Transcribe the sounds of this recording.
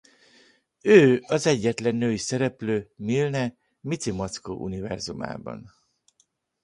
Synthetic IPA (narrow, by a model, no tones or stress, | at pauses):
øːɒzɛɟːɛt̪lɛnːøːjisɛɾɛpløːmilnɛ | mit̪simot̪sko̰ːʔṵnivɛ̰rzuma̰ːbɒ̰n